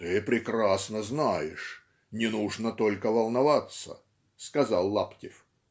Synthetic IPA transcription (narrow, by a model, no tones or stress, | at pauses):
t̪ɨpɾʲɪkrasnəznajɪʂ | nʲɪnuʐnət̪o̞lʲkəvɐlˠnɐvat̪sə̰ | skɐzalˠːaptʲɪf